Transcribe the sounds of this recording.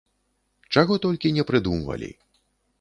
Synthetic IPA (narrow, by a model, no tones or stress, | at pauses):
t͡ʂaɣɔt̪ɔlʲkʲinʲɛpɾɨd̪umvɐ̰lʲḭ